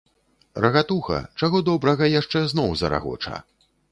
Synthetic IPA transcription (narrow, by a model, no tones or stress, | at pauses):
rʔɐɣat̪uxɐ̰t͡ʂaɣɔd̪ɔbɾɐɣɐjaʂt͡ʂɛznɔwzɐ̰ɾa̰ɣɔ̰t͡ʂɐ̰